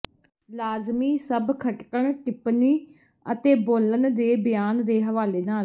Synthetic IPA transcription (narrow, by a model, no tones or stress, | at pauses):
laːzmiːsəbkʰəʈkəɳkɪpniː | ət̪eːboːlənd̪eːbɪjaːnd̪eːɦəʋaːleːnaːl